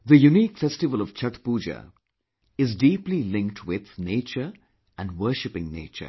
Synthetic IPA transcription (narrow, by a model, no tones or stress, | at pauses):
ðəjuniːkfɛsʈɪʋəlɔʋ̥t͡ʃʰʌʈpuːd͡ʒə̰ | ɪzdiːplilɪ̃ŋk̚ʈʰwɪð̥neːt͡ʃə | æ̃nwəːʃɪpɪ̃ŋnḛːt͡ʃə̰